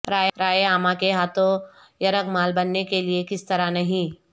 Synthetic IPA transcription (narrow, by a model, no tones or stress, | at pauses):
ɾaːɾaːjeaːmãkeɦaːt̪ʰõ | jɐɾəɡmaːlbɐnːekeliekɪst̪ɐɾanɐɦĩ